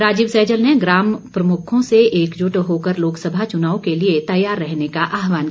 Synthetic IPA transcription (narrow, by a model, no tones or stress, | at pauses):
ɾaːd͡ʒɪbsɛːd͡ʒəlneɡɾaːmpɾɐmʊkʰõseeːkd͡ʒʊʈɦoːkəɾloːksəbʱat͡ʃʊnaːõkeliet̪ɐjaːɾːɛɦnekaʔaːɦʋaːn